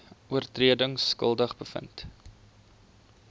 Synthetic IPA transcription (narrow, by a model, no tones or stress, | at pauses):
uərtriədəŋskə̰lˠdəχbəfə̰nt